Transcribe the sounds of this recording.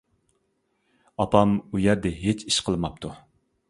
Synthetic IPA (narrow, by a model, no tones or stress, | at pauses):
ɑpʰɑmujɛɾd̪ɛɦet͡ʃʰiʃqʰəlˠmɑp̚t̪ʰu